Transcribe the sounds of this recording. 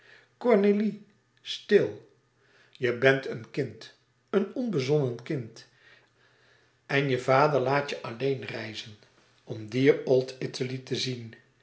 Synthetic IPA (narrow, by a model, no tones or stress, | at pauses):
kɔɹneli | stɪlˠ | jəbɛntənkɪnt | ənɔnbəzɔnənkɪnt | ɛnjəvaːdəɹlaːtjəʔɑlejnrɛjzən | ɔmdiːɹɔlˠtɪtəlitəzin